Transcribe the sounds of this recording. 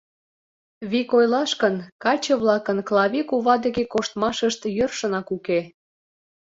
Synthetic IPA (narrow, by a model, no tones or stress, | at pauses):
βikojlɑʃkənkɑt͡ɕə̆βlɑkənklˠɑβʲikuβɑd̪ə̆ɣekoʃt̪mɑʃəʃt̪jørʃə̆nɑkuke